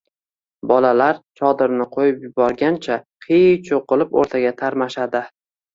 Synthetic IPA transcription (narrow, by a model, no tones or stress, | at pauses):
bɒlalaɾt͡ʃʰɒd̪ɪɾnɪqʰojɪpjʊbɒɾɡʲant͡ʃʰaqʰit͡ʃʰoqːɨlˠɪpo̰ɾt̪ʰaɡʲat̪ʰaɾmaʃad̪ɪ